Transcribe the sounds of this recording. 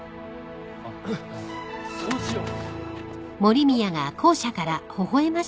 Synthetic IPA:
soɕio | mo̞ɾʲimʲijaɡakʰo̞ːɕakaɾahoɦo̞e̞maɕ

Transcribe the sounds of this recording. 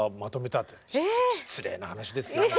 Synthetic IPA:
mat̪o̞me̞t̪at̪ːeɕi̥t͡sɨɾe̞̰ːnahanaɕid̪e̞sɨjo

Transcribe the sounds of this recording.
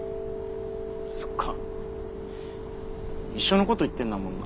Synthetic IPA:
so̥kʰːa | iɕːo̞no̞ko̞t̪o̞it̪ːẽ̞nːamõna̰

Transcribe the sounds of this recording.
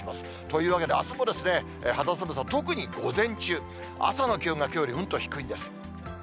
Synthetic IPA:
masɨ̥ | t̪o̞jɯːβake̞d̪e̞asomo̞d̪e̞sɨne̞ | hat̪asand̪esat̪o̞kɯ̟ɲ̟iɡ̥o̞zẽ̞ɲ̟t͡ɕɨː | a̰sano̞kʲiɯ̃ŋɡakʲo̞ːɾʲiɯ̟̃nt̪o̞çi̥kɯ̟ĩnd̪e̞sɨ̥

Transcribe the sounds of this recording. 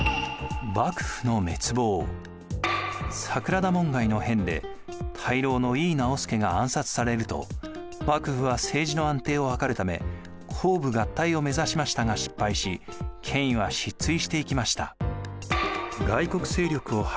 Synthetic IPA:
bakɯ̟̥ɸɯ̟no̞me̞t͡sɨbo̞ː | sakɯ̟ɾad̪amõ̞ŋɡaino̞hẽ̞nd̪e̞̰ | t̪ʰaiɾo̞ːno̞iːnao̞sɨ̥ke̞ɡaãɰ̃sat͡sɨ̥saɾe̞ɾɯ̟t̪o̞̰ | bakɯ̟ɸɯ̟βase̞ːʑino̞ãnt̪e̞ːo̞hakaɾɯ̟t̪ame̞̰ | kʰoːbɯ̟ɡat̪ːaio̞me̞zaɕimaɕi̥t̪aŋaɕi̥pːaiɕikʰẽ̞ɰ̃ĩβaɕit͡sɨiɕi̥t̪e̞ikʲimaɕi̥t̪a̰ | ɡaiko̞kɯ̟̥se̞ːɾʲo̞kɯ̟o̞h

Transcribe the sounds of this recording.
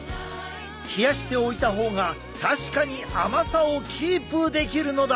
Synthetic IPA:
çʲijaɕi̥t̪e̞o̞it̪aɦo̞ːɡa | t̪aɕi̥kaɲ̟iamasao̞kʲʰiːpɯ̟d̪e̞kʲiɾɯ̟no̞d̪a

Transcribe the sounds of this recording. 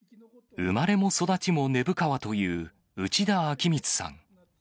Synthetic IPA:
ɯmaɾe̞mo̞so̞d̪at͡ɕimo̞ne̞bɯ̟kaβat̪o̞jɯ̟ː | ɯt͡ɕid̪aːkʲimʲit͡sɨ̥sã̰ŋ

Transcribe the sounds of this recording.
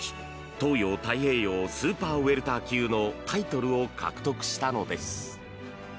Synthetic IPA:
t̪o̞ːjo̞ːt̪aihe̞ːjo̞ːsɨːpaːe̞ɾɯ̟t̪aːkʲɨːno̞t̪ʰait̪o̞ɾɯ̟o̞kʰa̰kɯ̟̥t̪o̞kɯ̟̥ɕi̥t̪ano̞d̪e̞sɨ̥

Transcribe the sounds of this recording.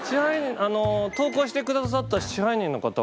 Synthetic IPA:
t͡ɕihaiɲ̟ĩano̞t̪o̞ːko̞ːɕi̥t̪e̞kɯ̟d̪as̬at̪ːaɕi̥t͡ɕiɦaiɲ̟ĩnːo̞kat̪a

